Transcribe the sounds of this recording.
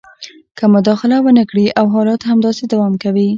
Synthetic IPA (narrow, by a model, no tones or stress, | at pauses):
kəmʊd̪ɑxɪlawənəkɽiʔawɦɑlɑt̪hamd̪ɑsed̪awɑmkawi